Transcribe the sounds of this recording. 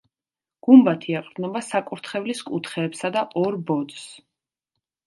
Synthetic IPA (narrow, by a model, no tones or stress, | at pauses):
ɡ̥umbat̪ʰiaqʼɾd̪nɔbasakʼuɾt̪ʰχɛvliskʼut̪ʰχɛːpsad̪aʔɔɾbɔd̪s